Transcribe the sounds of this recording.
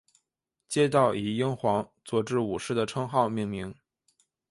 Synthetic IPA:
t͡ɕjɛ˥t̪ɑ˥˩ʊʔi˨˩i˥ŋxwɑ˧˥ŋt͡swɔ˥˧ʈ͡ʂɻ̩˥˩u˨˩ʂɻ̩˥˩d̪ə˩ʈ͡ʂʰɤ˥ŋxɑ˥˧ʊmi˥˩ŋmi˧˥ŋ

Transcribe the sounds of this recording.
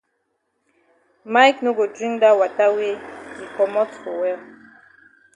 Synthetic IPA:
ma˦jkno˦ɡo˨dɹĩ˦ŋda˦wa˨ta˦we˦i˨kɔ˨mɔ˦to˨wɛ˦l

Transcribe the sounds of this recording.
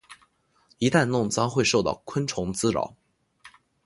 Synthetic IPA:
i˧˥t̪a˥˧nnʊ˥˩ŋt͡sɑ˥ŋxwe˥˧ɪʂo˥˧ʊt̪ɑ̰˥˩ʊkʰə˥nʈ͡ʂʰʊ˧˥ŋt͡sɹ̩˥ɻɑ̰˨˩˦ʊ

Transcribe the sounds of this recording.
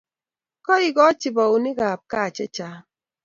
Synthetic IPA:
kɔ˦i˨ɡɔ˦t͡ʃi˨bɔ˨u˨ni˦ɡa˨p̚ka˦˨t͡ʃɛ˦t͡ʃa˦

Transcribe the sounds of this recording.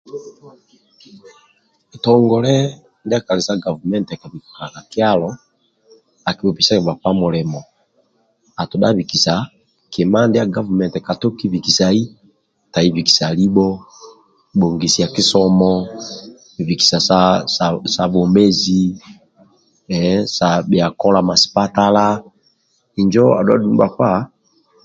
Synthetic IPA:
ɛ˨tɔ˨ŋɡɔ˨lɛ˦ | ndi˦a˦ka˨li˨sa˦ɡa˨vu˨mɛ˦ntɛ˨ka˨βi˨ku˨ka˨na˨ki˦a˦lɔ˨ | a˨ki˨bɔ˨pi˨sa˦kɛ˨βa˨pa˦mu˨lɛ˨mɔ˨ | a˨tu˨ɗa̰˦βiki˨sa˨ | kʰi˨ma˦ndija˦ɡa˦vu˨mɛ˨ntɛ˨ka˨tɔ˦ki˦βi˨ki˨sa˨i˦ | ta˨i˦vi˨ki̥˨sa˨li˦bɔ˦ | bɔ˨ŋɡi˨si˨ja˨ki˦sɔ˦mɔ˦ | i˨vi˨ki̥˨sa˨sa˦sa˨sa˨bɔ˨mɛ˦zi˦˨˦ | sa˨bi˨a˨kɔ˦la˨ma˨si̥˨pa˦ta˦la˦ | i˨ɲd͡ʒɔ˦a̰˨dwa̰˦˨du˦m˦ba˨fa˦

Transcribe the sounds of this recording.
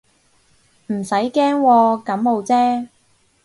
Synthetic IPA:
m̩˨˩sɐ˨˥jkɛː˥ŋwɔː˧kɐ˨˥mːo˨˧wt͡sɛː˥

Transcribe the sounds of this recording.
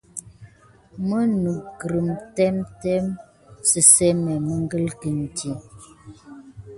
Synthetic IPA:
mə˦nu˨ɡɾə˨m˨tɛ˦mtɛ˦m | sə˨sɛ˦mɛ˨mə˦ŋ˦ɡə˦lkə˨n̩˨ti˨

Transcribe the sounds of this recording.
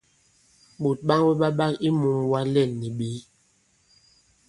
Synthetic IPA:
ɓo˨t̚ɓa˦ŋbɛ˦ɓa˦ɓa˦ki˦mu˨ŋwa˦lɛ˦˨nːi˨ɓi˨˦

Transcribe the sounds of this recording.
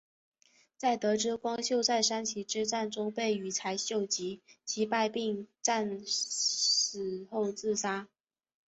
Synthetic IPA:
t͡sa˥˩ɪt̪ɤ˧˥ʈ͡ʂɻ̩˥kwɑ˥ŋɕjo˥˧ʊsa˥˧ɪʂa˥nt͡ɕʰi˧˥ʈ͡ʂɻ̩˥ʈ͡ʂa˥˩nʈ͡ʂʊ˥ŋpe˥˩ɪy˨˩t͡sʰa˧˥ɪɕjo˥˩ʊt͡ɕi˧˥t͡ɕʰi˧˥pa˥˧ɪpi˥˧ŋʈ͡ʂa˥˩˧n | ʂɻ̩˨˩xo˥˧ʊt͡sɹ̩˥˩sa˥

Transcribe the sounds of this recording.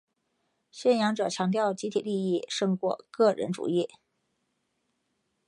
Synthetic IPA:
ɕɥɛ˥˩njɑ˧˥ŋʈ͡ʂɤ˨˩t͡ɕʰjɑ˧˥ŋt̪̬jɑ˥˩ʊt͡ɕi˧˥t̪ʰḭ˨˩li˥˧i˥˩ʂɤ˥˧ŋkwɔ̰˥˧kɤ˥˩ɻə̰˧˥nʈ͡ʂṵ˨˩i˥˩

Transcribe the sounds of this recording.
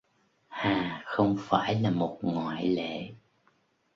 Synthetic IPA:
haː˨˩xə˧wŋ͡mfaː˧˩jlaː˨˩mo˨˩t̚ŋwa̰ː˧˨jlḛ˧˨

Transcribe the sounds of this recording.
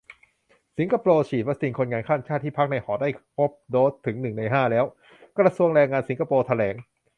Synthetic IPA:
si˩˦nka˧poː˧t͡ɕʰiː˨˩t̪̚ba˦˥si˨˧˩kʰo˧nŋaː˧nkʰaː˥˩nt͡ɕʰaː˥˩t̪ʰːiː˥˩pʰa˦˥k̚na˧jhɔː˩t̪̚daː˥˩jpʰo˦˥p̚doː˦˥t̪ʰːɯ˩˦ŋnɯ˨˩ŋna˧jɦaː˥˩lɛː˦˥w | kɾa˧su˧əŋɾɛː˧ŋːaː˧nsi˩˦ŋkʰa˧poː˧t̪ʰa˧lɛː˩˦ŋ

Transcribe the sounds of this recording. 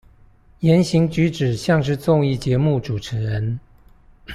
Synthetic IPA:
jɛ˨˦nɕi˧˥ŋt͡ɕy˧˥ʈ͡ʂɻ̩˨˩ɕjɑ˥˧ŋʂ̬ɻ̩˥˧t͡sʊ˥˧ŋi˥˩t͡ɕjɛ˨˧˥mu˥˩ʈ͡ʂu˨˩ʈ͡ʂʰɻə˧˥ɻə˧˦n

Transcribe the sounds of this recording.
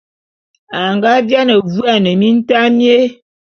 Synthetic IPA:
a˨ŋɡa˦vja˦nə˨vu˦a˦˨nə˨mi˦n̩˦ta˦mje˦

